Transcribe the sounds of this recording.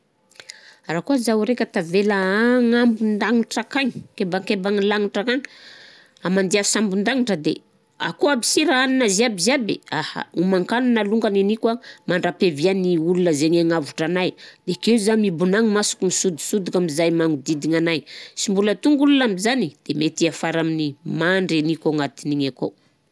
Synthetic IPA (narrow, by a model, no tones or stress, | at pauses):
ɾakuazawɾekət̪avelaŋambund̪aŋiʈ͡ʂakaɲi̥kebaŋkebaŋilaŋiʈ͡ʂakaɲ | amand̪iafi̥sambund̪aŋiʈ͡ʂəd̪ḛ | a̰koabi̥siɾaaninazeabizabḛaha̰umaŋkanunaluŋɡaninikwamaɳɖ͡ʐapevianiulunəzeɲaŋavuʈ͡ʂanajd̪̥ekezamibunaŋimasu̥kumisud̪i̥sud̪ikamizajmaŋud̪id̪iŋanajsimbulət̪uŋɡulunamizanid̪̥emet̪iafaɾaminimaɳɖ͡ʐenikoŋat̪iniɲako̰